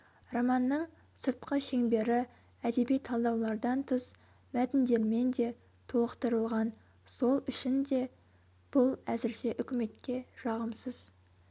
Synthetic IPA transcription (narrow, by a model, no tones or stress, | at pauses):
romɑnːəɴ | səɾt̪qəʃe̞ŋbe̞ɾɪ | æd̪e̞bijt̪ʰɑlˠd̪ɑwlˠɑɾd̪ɑnt̪ʰəs | mæt̪ɪnd̪e̞ɾme̞nd̪e̞ | t̪ʰolˠəqt̪əɾəlˠʁɑn | so̞lˠʏʃɪnd̪e̞ | b̥ʊlˠæzɪɾʃe̞ʔʏkʲɪme̞t̪kʲe̞ʒɑʁəmsəz̥